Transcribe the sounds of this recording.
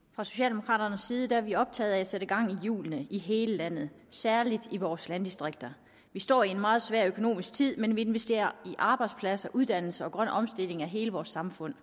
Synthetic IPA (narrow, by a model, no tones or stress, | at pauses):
fʁɑ̈so̝ɕɛ̰ːldemo̝kʰʁɑ̰̈ːɾ̥ɐnəsːiːð̞̩ˠəd̥æʋiɒ̽b̥̚t͡sʰɛ̰ːðˠæseɾ̥əɡ̥ɑ̈ŋ̰ijṵːlnəiɦe̝ːləlæn̰ð̞̩ˠ | sæɐlid̥iʋɒːslænd̥isd̥ʁeɡ̥̚d̥ɐ | ʋisd̥ɒ̰ːie̝nmɑ̈ːð̞̩ˠsʋæɐ̰økʰo̝no̝̰ːmisɡ̥t͡sʰið̰ˠmenʋie̝nʋesd̥e̝̰ːɐiʔɑ̈ːb̥ɑ̈ɪd̥spʰlæsɐʔuð̞ˠd̥æn̰l̩səɒ̽ɡ̥ʁɶn̰ɒ̽msd̥e̝l̰e̝ŋæɦe̝ːləʋɒːsːɑ̈mfɔ̽n̰